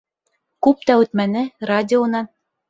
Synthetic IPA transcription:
kʉp̚t̪ɑʉt̪mænɘradʲɪonɑn

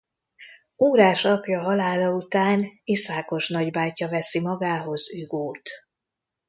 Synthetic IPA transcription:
uːɾaːʃɒpjɒɦɒlaːlɒut̪aːnisaːko̞ʃnɒɟbaːjcɒvɛsimɒɡaːɦo̞zyːɡoːt̪

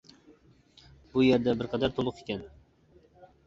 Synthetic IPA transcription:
bʊjeɾd̪abɪɾqʰɑd̪aɾt̪ʰolˠʊqekʲan

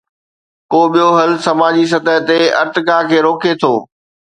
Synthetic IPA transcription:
koːɓijoɦɐlsɐmaːd͡ʑis̬ɐt̪əɦt̪eɐ̰ɾt̪ɪkaːkʰeːɾoːkʰet̪ʰoː

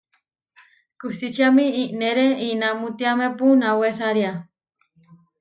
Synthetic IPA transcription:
kusit͡ʃiamiiʔneɾeinamut̪iamepunawesaɾja

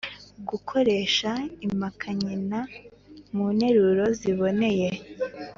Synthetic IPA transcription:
ɡukʰo̞ɾe̞ːʃaimakʰaɲina | munhe̞ɾuɾo̞ziβo̞ne̞je̞

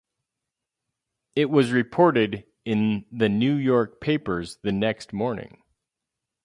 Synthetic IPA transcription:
ɪt̚wʌzɹɨpʰɔɹɾɪɾ | ɪ̃nðɨnʉjɔɹk̚pʰeɪpə˞zðɨnɛkst̚mɔɹnɪ̰̃ŋ

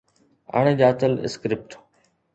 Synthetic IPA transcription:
ə̰ɳ̃ed͡ʑaːt̪əlɪ̰skɾɪp̚ʈ

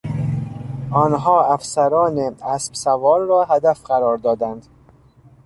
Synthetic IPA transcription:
ɒːnɦɒːæfsæɾɒːneæsb̥sævɒːɾɾɒːɦæd̪æfɢæɾɒːɾd̪ɒːd̪ænd̪

